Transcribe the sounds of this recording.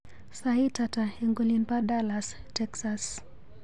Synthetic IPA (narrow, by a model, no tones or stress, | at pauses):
saitataeŋɡolinpadalas | tɛksas